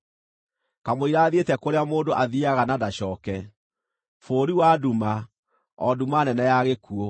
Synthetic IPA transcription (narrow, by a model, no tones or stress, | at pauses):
kamoiɾaːðetɛkoɾeamoːndoʔaðiaɣanadaɕɔːkɛ | foːɾiwaduma | ɔdumanɛnɛjaɣekuɔ